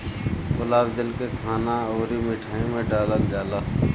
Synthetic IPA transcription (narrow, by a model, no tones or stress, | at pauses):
kʊlaːbd͡ʒəlkekʰaːnaoːɾimɪʈʰaːĩmẽɖaːləld͡ʒaːla